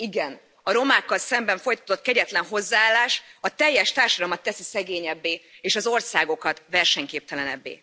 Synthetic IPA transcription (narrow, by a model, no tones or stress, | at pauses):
iɡɛn | ɒɾo̞maːkːɒlsɛmbɛɱfo̞jt̪ɒ̥t̪o̞t̪ːkɛɟɛt̪lɛnɦo̞zːaːaːlːaːʃɒt̪ɛjːɛʃt̪aːrʃɒd̪ɒlmɒt̪ːɛsisɛɡeːɲɛbːeːeːʃɒzo̞rsaːɡo̞kɒt̪vɛrʃɛɲkeːp̚t̪ɛlɛnɛ̰bːḛː